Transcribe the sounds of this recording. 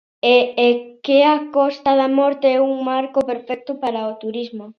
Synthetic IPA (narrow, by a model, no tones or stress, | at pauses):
eːkeakɔst̪aðamɔɾt̪eɛuŋmaɾkopeɾfɛk̚t̪ʊpaɾaot̪uɾizmo